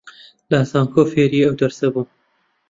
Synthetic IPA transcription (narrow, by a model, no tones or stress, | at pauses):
lasɑːŋkoːfeːɾiːɐwd̪ɐɾsɐbuː